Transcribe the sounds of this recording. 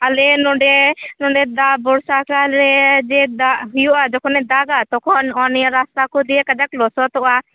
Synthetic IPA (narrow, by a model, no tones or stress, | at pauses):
alɛnɔɖɛnɔ̃ɖɛd̪abɔɽsakalɾɛd͡ʒɛd̪aɦʊjɔʔad͡ʒɔkɔnɛd̪aɡat̪ɔkʰɔnɔnjaɾast̪akɔd̪iɛkəd̪aklɔsɔt̪ɔa